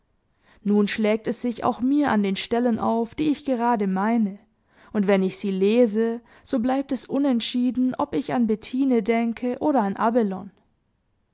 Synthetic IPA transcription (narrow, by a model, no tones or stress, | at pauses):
nuːnʃlɛːk̚tɛsz̥ɪça̰ʊxmiːɐʔa̰ndeːnʃtɛlənʔa̰ʊfd̥iːɪçɡ̥əʁ̞aːdəmaɪnə | ʔʊntv̥ɛnɪçz̥iːleːzə | z̥oːblaɪp̚tɛsʔʊnɛntʃiːdn̩ʔɔpɪçanbɛtʰiːnədɛŋkʰəʔoːɾɐanʔabɛlɔn